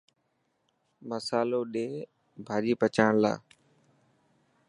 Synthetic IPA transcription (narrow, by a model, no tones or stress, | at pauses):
məsaːloːɗeː | bʱaːɗiːpət͡ʃaːɳla̰ː